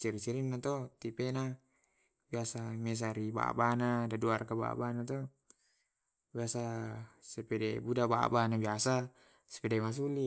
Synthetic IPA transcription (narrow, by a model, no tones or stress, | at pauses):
t͡ʃiɾit͡ʃiɾimnat̪ɔt̪ipena | biasames̬aɾiba̰banadaduarkaba̰banat̪ɔ | biasasepedɛbudaba̰banabiasa | se̥pedɛmas̬uli